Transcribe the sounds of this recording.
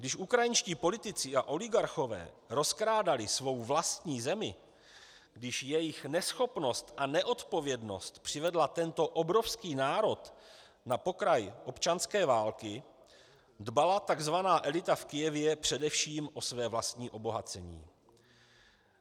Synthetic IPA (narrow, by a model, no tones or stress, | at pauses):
ɡdɪʃʔukɾajɪnʃciːpo̞lɪt̪ɪt͡sɪʔaʔo̞lɪɡaɾxo̞vɛ̰ː | ɾo̞skɾaːdalɪsvo̞wvlast̪ɲiːzɛmɪ | ɡdɪʃjɛjɪxnɛsxo̞pno̞st̪ʔanɛʔo̞t̪po̞vjɛdno̞̰st̪pr̥ɪvɛdlat̪ɛnt̪o̞ʔobɾo̞fskiːnaːɾo̞t̪ | napo̞kɾajʔo̞pt͡ʃanskɛːvaːlkɪ | dbalat̪aɡzvanaːʔɛlɪt̪afkɪjɛvjɛpr̝̥ɛdɛfʃiːmʔo̞svɛːvlast̪ɲiːʔo̞bo̞ɦat͡sɛɲḭː